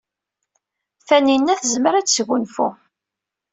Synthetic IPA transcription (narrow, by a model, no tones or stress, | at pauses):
θæninːæθzməɾæt͡sːsʝunfṵ